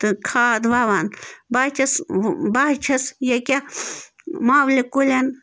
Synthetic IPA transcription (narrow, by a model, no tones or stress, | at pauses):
t̪ɨkʰaːd̪ʋaʋanbat͡ʃʰɐsbaɦt͡ʃʰɐsjɐkʲa | maːwlʲekulʲen